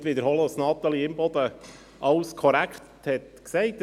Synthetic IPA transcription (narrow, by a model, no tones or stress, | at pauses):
t̪ʋiːd̪əɾhɔlosnɑːt̪əliɪmbɔd̪ə | ʔɑwskʰɔɾækχt̪ | hɛtksɛɪt̪